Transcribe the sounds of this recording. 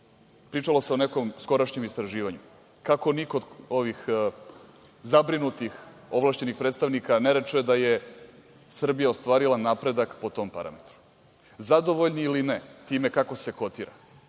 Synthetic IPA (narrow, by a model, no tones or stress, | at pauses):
pɾiːt͡ʂalˠoseoneko̞msko̞ɾaʃɲemist̪ɾaʒiːʋaɲu | kako̞nikod̪o̞ʋix | zabɾinut̪ix | o̞ʋlˠaʃt͡ɕe̞nixpɾet̪st̪aʋnikaneɾet͡ʃed̪aje | sr̩bijaost̪ʋaːɾilˠanaːpɾe̞d̪akpo̞t̪o̞mpa̰ɾa̰me̞t̪ɾu̥ | zad̪o̞ʋo̞ʎniːlinet̪iːmekako̞se̞ko̞t̪iɾa̰